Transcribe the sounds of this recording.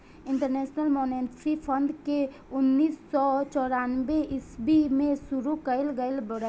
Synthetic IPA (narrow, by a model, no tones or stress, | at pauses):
ɪɳʈəɾnɛːʃnəlmoːneʈɾipʰə̃nd̪ke | ʊnːiːsːɔt͡ʃɔːɾanbeɪsbimẽsʊɾukəɪlɡəɪlbəɽ